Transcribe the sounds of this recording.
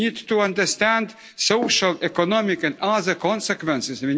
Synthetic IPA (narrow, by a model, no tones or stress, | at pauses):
it̪ːuãnd̪ɛɾst̪ɛ̃nd̪ | sɔwʃalɛkɔnɔmikɛnazɛkɔnsɛkvɛ̃nsisvi